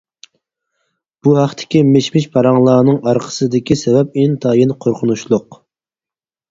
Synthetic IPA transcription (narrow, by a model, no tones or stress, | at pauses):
b̥uhæχt̪ʰɪ̥kʲimeʃmɪʃpʰɑɾɑŋlˠɑːnɨŋɑɾqʰə̥sɨd̪ɪkʲisɛvɛp̚int̪ʰɑːjinqʰoɾqʰʊnuʃlˠʊq